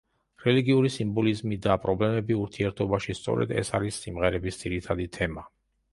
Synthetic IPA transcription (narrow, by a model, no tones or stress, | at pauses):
ɾɛliɡiuɾisimbɔlizmid̪apʼɾɔblɛmɛbiuɾt̪ʰiɛɾt̪ʰɔbaʃist̪sʼɔ̰ɾɛ̰d̪ɛ̰saɾisːimʁɛɾɛbisd̪z̥iɾit̪ʰad̪it̪ʰɛma